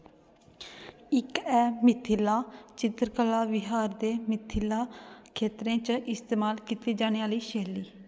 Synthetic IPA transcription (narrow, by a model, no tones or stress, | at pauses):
ɪkɛːmɪt̪ʰːɪlaːt͡ʃɪt̪ɾkəlaːʋɪɦaːɾd̪eːmɪt̪ʰːɪlaːkʰeːt̪ɾẽːt͡ʃʔɪst̪eːmaːlkit̪iːd͡ʒaːneːaːliːʃeːliː